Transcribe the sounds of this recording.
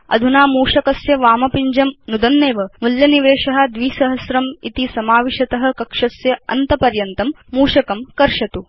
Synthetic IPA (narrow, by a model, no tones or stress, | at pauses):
ɐ̰d̪ʱunaːmuːʂɐkɐsjɐʋaːmɐpiɲd͡ʒɐmnud̪ɐnːeːʋɐmuljɐniʋeːʂɐɦɐ̆d̪ʋiːsɐɦɐsɾɐmit̪isɐmaːʋiʃɐt̪ɐɦɐ̆kɐkʂɐsjɐɐ̰nt̪ɐpɐɾjɐnt̪ɐmːuːʂɐkɐmkɐɾʂɐt̪u